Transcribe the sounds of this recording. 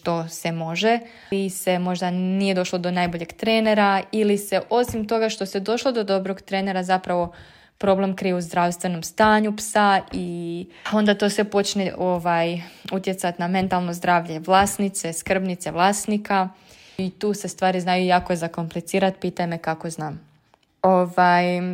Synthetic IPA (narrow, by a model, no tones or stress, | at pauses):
ʃt̪o̞se̞mo̞ʒe | ise̞mo̞ʒd̪anije̞d̪o̞ʃlˠod̪o̞najbo̞ʎe̞ɡt̪ɾeːne̞ɾailise̞ʔo̞simt̪o̞ɡaʃt̪o̞sed̪o̞ʃlo̞d̪o̞d̪o̞bɾo̞ɡt̪ɾeːne̞ɾazapɾaʋo̞ | pɾo̞ble̞mkɾijeuzd̪ɾawst̪ʋe̞no̞mst̪aːɲupsai | o̞nd̪at̪o̞sepo̞t͡ʃneʔoʋajut̪je̞t̪sat̪namẽ̞nt̪alˠno̞zd̪ɾaːʋʎe̞ʋlˠaːsnit̪se̞skr̩bnit̪se̞ʋlˠaːsnika | it̪uːse̞st̪ʋaːɾiznajujaːkojezako̞mplit̪siːɾat̪piːt̪ajmekako̞znaːm | oʋaj